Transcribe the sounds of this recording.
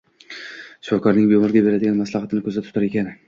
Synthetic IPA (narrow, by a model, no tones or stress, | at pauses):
ʃʊ̥fɒkʰɒɾnɪŋbemʊɾɡʲabe̞ɾad̪ɪɡʲanmaslˠɑhɑt̪ʰɪnɪkʲʰɵzat̪ʰʊ̥t̪ʰaɾe̞kʲanɪ